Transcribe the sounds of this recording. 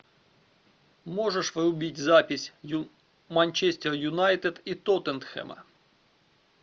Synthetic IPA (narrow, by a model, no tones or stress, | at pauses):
mɔʒeʃʋeɾʊbʲitʲzɑpʲisʲ | mɐnʲt͡ʃɛsʲtʲerjʊnɑjt̪ed̪it̪ɔt̪ent̪xɛ̰mɐ̰